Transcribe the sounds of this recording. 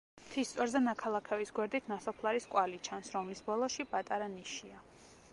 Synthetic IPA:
mt̪ʰist̪sʼwɛɾzɛnakʰalˠakʰɛvisɡwɛɾd̪it̪ʰnasɔpʰlˠaɾiskʼwalit͡ʃʰansɾɔmlisbɔlˠɔʃipʼat̪ʼaɾaniʃia

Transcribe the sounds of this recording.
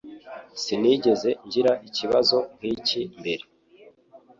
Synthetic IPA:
siniːɟe̞ze̞ɲɟiɾaʔiciβazo̞ŋkiːcimbe̞ɾe

